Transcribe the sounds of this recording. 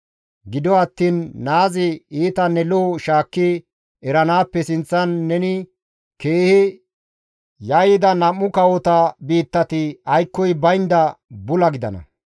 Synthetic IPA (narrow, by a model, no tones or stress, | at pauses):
ɡɪd̪ɔɐt̪ːiːnːaːzɪiːt̪ɐnːɛloːʃaːkːɪ | ɛɾɐnaːpːɛsɪnt͡sːɐnːɛnɪ | ke̞ːhɪ | jɐjɪd̪ɐnɐmːʊkɐwɔt̪ɐbiːt̪ːɐt̪ɪɐjkːɔjbɐjnd̪ɐbʊlɐɡɪd̪ɐ̰nɐ̰